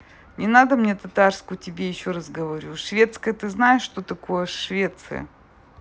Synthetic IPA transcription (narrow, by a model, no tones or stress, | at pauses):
nʲɪnad̪əmnʲet̪ɐt̪arskʊjtʲɪbʲejɪɕːoɾɐzɡəvɐɾʲuʂvʲe̞t̪skəjət̪ɨznajɪʂːt̪ot̪ɐko̞jəʂvʲe̞t̪sɨ̰jə̰